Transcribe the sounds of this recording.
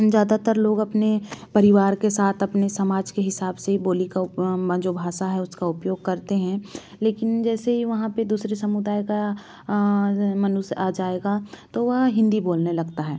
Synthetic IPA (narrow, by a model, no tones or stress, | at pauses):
d͡ʒjaːd̪at̪əɾloːɡɐpnepɐɾɪʋaːɾkesaːt̪ʰɐpnesɐmaːd͡ʒkeɦɪsaːbseɦiboːlikaʊd͡ʒoːbʱaːʃaɦɛʊskaʊpjoːɡ̚kɐɾt̪eɦɛ̃ | leːkɪnd͡ʒɛːseɦiʋɐɦãped̪uːsɾesɐmʊd̪aːjka | mɐnʊsad͡ʒaːeːɡat̪oʋɐɦɦɪ̃nd̪iboːlnelɐɡt̪aɦɛː